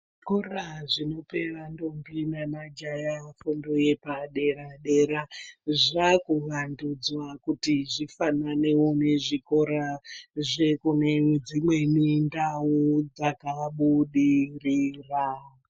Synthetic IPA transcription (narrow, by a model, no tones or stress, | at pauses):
ʐ | koraʐino̞pe̞ʋando̞mbinanad͡ʒajafundo̞je̞paɗe̞ɾaɗeɾaʐakuʋandud͡zwakutiʐifanane̞one̞ʐiko̞ɾaʐekuned͡zimwe̞mindaud͡zakaɓuɗiriːra